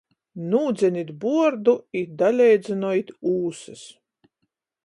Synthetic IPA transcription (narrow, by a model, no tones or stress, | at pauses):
nuːd̪zʲɛnʲid̪buɔɾd̪uid̪alʲɛjd̪zʲɛnɔjit̪ʲuːsɨs